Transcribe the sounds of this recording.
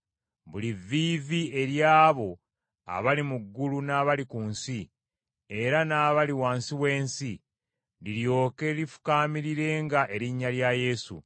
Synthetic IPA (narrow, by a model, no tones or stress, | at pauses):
βulivːiːvie̞ɾjaːβo̞ | a̰βalimuɡːulunaːβalikuːnsi | e̞ɾanaːβaliwaːnsiwe̞ːnsi | liɾjo̞ːke̞ɾifu̥kaːmiɾiɾe̞ːŋɡaʔe̞ɾiɲːaljaje̞sṵ